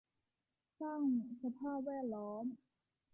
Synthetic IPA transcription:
saː˥˩ŋsa˧pʰaː˥˩p̚wɛː˥˩t̪̚lɔː˦˥m

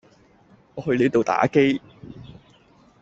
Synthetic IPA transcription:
ŋɔː˨˧ɦɵ˧ɥle˨˥jt̪o˨wt̪a̰ː˨˥ke˥j

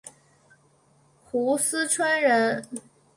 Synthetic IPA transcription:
xu˧˥sɹ̩˥ʈ͡ʂʰwa˥nɻə˧˥n

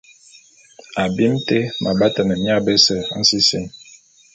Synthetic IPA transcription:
a˨bi˦mte˦mʔa˨ba˦ta˨nə˨mja˦bɛ˦sɛ˦n̩˦si˦si˦ŋ

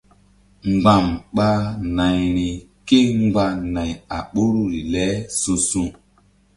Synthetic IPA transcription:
ŋ͡mɡ͡ba˨mɓa˦na˨jni˨ | ke˦ŋ˦ɡ͡ba˧˦na˨ja˨ɓo˦ɾu˦ɾi˨lɛ˦su˧sũ˦˨

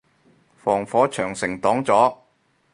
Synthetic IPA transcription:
fɔː˨˩ŋfɔː˨˥t͡ʃʰœː˨˩ŋsɪ˨˩ŋt̪ɔː˨˥ŋt͡sɔː˨˥

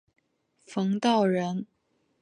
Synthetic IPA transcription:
fɤ˧˥ŋt̪ɑ˥˩ʊɻə˧˥n

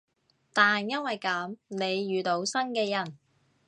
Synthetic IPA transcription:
t̪aː˨njɐ˥nwɐ˨jkɐ˨˥mne˨˧jːyː˨t̪o˨˧˥wsɐ˥nkɛː˧jɐ˨˩n

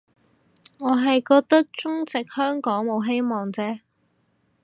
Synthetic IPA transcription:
ŋɔː˨˧ɦɐ˨jkɔː˧k̚t̪ɐ˥k̚t͡sʊ˥ŋt͡sɪ˨k̚hœː˥ŋkɔː˨˥ŋmo˨˧wɦe˥jmɔː˨ŋt͡sɛː˥

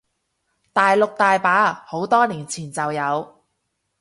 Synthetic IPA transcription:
t̪aː˨jlʊ˨k̚t̪aː˨˧jpaː˨˥ho˨˥wt̪ɔː˥liː˨˩nt͡sʰiː˨˩nt͡sɐ˨wjɐ˨˧w

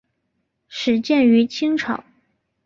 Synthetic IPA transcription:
ʂɻ̩˨˩t͡ɕjɛ˥˩ny˧˥t͡ɕʰi˥ŋʈ͡ʂʰɑ˨˩˦ʊ

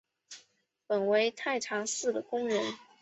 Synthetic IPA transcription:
pə˨˩nwe˧˥ɪt̪ʰa˥˩ɪʈ͡ʂʰɑ˧˥ŋsɹ̩˥˩d̪ə˩kʊ˥ŋɻə˧˥n

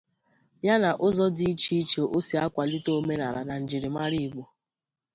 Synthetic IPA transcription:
ja˦na˨ʔʊ˦zɔ˦di˦i˦t͡ʃi˦t͡ʃe˨ʔo˦si˨˦a˦kʷa˨lɪ˦to˦me˦na˨ɾa̰˨na˨n̩˨d͡ʒɪ˨ɾɪ˨ma˦ɾi˦˨ɡ͡bo˨

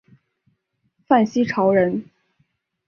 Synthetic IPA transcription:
fa˥˩nɕi˥ʈ͡ʂʰɑ˧˥ʊɻə˧˥n

